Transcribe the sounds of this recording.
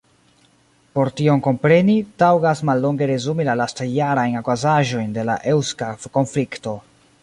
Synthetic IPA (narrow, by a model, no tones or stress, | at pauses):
po̞ɾtio̞ŋko̞mpɾe̞nitawɡasmalːo̞ŋɡe̞ɾe̞zumilalastajːaɾajnakwazaʒo̞jnde̞la̰ʔe̞wskafko̞nflikto̞